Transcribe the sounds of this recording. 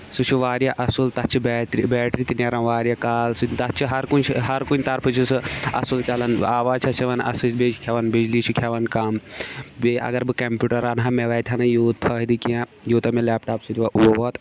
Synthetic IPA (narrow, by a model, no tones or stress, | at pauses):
sut͡ʃʰuʋaːɾjaʔɐsult̪ɐt͡ʃʰibɛːʈɾibɛːʈɾit̪inɐɾɐ̃nʋaːɾjakaːlsɨt̪ɐt͡ʃʰiɦɐɾkunt͡ʃʰɦɐɾkunʲt̪ɐɾpʰɨt͡ʃʰisɨɐ̰sult͡ʃɐlɐnaːʋaːt͡ʃʰɐseʋɐnɐ̰sɨsbet͡ʃʰkʲʰɐʋɐnbid͡ʒlit͡ʃʰikʲʰɐʋɐnkaːmbeʔɐ̰ɡɐɾbɨkɐmpʲuːʈɐɾanɦameʋɐːt̪ʲʰɐnɐjuːt̪̚pʰɐɦid̪ikiãjuːt̪ɐmelaːp̚ʈaːpsɨt̪ʲiʋaʔuboʋoːt̪